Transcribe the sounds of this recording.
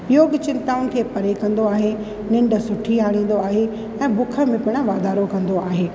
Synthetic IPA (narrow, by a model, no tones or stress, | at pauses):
joːɡt͡ɕɪ̃nt̪aːʊnɪ̆kʰeːpɐɾekɐ̃nd̪oaːɦe | nɪ̃ɳɖsʊʈʰiaːɽ̃ĩːn̆d̪oaːɦe | ɛ̃ːbʊkʰə̆mẽpɪɽ̃əʋaːd̪aːɾokɐ̃nd̪oaːɦeː